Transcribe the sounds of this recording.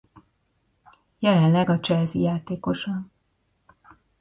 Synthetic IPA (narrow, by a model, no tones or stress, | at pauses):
jɛlɛnlɛɡɒt͡ʃɛlzijaːt̪eːko̞ʃɒn